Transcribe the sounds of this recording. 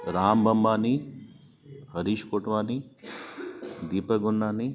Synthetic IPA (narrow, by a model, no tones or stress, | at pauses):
ɾaːmbɐmbaːni | hɐɾiːʃkoːʈʋaːniː | d̪iːpɐɡunːaːni